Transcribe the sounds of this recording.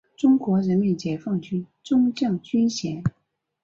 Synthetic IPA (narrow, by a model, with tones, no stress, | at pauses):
ʈ͡ʂʊ˥ŋkwɔ˧˥ɻə˧˥nmi˧˩nt͡ɕjɛ˧˥fɑ˥˩ŋt͡ɕy˥n | ʈ͡ʂʊ˥ŋt͡ɕjɑ˥˩ŋt͡ɕy˥nɕjɛ˧˥n